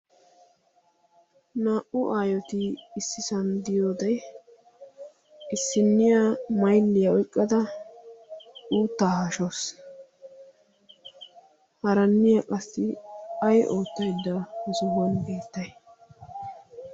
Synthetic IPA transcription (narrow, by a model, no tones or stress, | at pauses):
naːʔʊʔaːjɔt̪ɪɪsːɪsɐnd̪ɪjoːd̪ɐj | ʔɪsːɪnːɪjamɐjlːɪjɐɔjkʼːɐd̪ɐ | uːt̪ːaːhɐʃos | hɐɾɐnːɪjakʼɐsːɪɐjʔo̞ːt̪ːɐjd̪ːɐhɔsʊhɔnbe̞ːt̪ːɐj